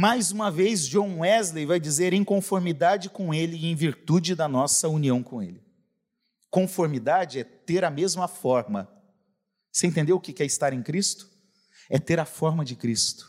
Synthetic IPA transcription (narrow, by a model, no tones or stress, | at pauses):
majzũmɐvejzd͡ʒõw̃ɛzlejvajd͡ʒizeɾẽj̃kõfoɾmid̪ad͡ʒɪkõelɪẽj̃viɾt̪ud͡ʒɪd̪ɐnɔsɐuniɐ̃w̃kõḛlɪ | kõfoɾmid̪ad͡ʒɪɛt̪eɾɐmezmɐfɔɾmɐ | sẽt̪ẽnd̪eɾʊkɪkɛɾɪst̪aɾẽj̃kɾist̪ʊ̥ | ɛt̪eɾɐfɔɾmɐd͡ʒɪkɾist̪ʊ̥